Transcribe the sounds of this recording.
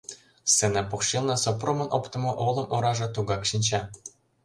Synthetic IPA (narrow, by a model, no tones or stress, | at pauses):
senɑpokʃilnɤ̆sopromɤ̆nʔopt̪ə̆mŏʔolɤ̆mʔoɾɑʒɤ̆t̪uɣɑkʃinʲt͡ɕɑ